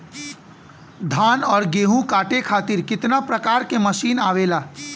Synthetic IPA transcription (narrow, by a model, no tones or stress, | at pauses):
d̪ʱaːnɔːɾɡeːɦũkaːʈekʰaːt̪ɪɾkɪt̪napɾɐkaːɾkemɐʃiːnaːʋeːlaː